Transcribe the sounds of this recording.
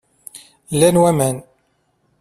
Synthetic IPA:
lːænwæmæn

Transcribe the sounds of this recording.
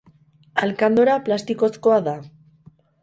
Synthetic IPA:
alkand̪oɾaplast̪iko̞sko̞aða

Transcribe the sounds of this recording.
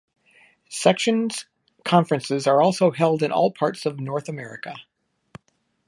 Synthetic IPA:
sɛkʃɨ̃nz̥ | kʰɑ̃ɱfɹɨ̃nsɨzə˞ɔlˠsoʊɦɛlˠdɨ̃nʔɔ̰lˠpʰɑɹtsʌvnɔɹθəmɛɹɨ̰kə

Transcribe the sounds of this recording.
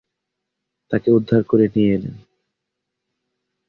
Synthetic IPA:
t̪akeud̪ʱːaɾkoɾenijeelḛn

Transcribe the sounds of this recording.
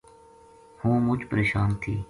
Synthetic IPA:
hũːmʊt͡ʃpəɾeːʃaːnt̪ʰiː

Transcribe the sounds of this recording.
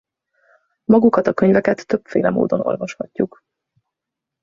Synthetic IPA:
mɒɡukɒt̪ɒkøɲvɛkɛt̪ːø̞pfḛːlɛmo̰ːd̪o̞no̞̰lvɒʃhɒcːuk

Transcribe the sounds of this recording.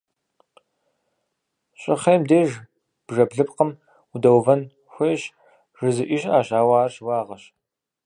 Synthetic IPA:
ɕʼɪχejmdeːʒ | b̥ʒɐbɮɨpqəm | udɐwvɐn | xʷeːjɕ | ʒɨzɨʔɪɕʼaːʑaːwaːrɕwɑːʁɐɕ

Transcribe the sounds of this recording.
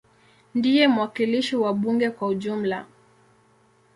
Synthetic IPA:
ndijɛmuwakiliʃiwaɓuŋɡɛkwauʄum̩la

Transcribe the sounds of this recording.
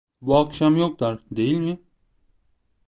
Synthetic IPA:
buakʃamjok̚d̪aɾd̪e̞jilʲmɪ

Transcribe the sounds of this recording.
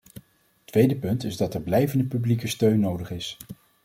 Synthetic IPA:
ətʋejdəpɵntɪzdɑtɛɹblɛjvəndəpyblikəstøɥnːowdəχɪs

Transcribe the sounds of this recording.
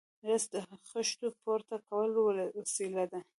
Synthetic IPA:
ɾasd̪əxəʃt̪opoɾt̪akawəlwwasilad̪a

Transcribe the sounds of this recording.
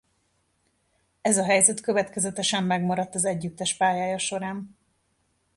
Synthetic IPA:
ɛzɒɦɛjzɛt̪køvɛt̪kɛzɛt̪ɛʃɛmːɛɡmɒɾɒt̪ːɒzɛɟːyt̪ːɛʃpaːjaːjɒʃo̞ɾaːn

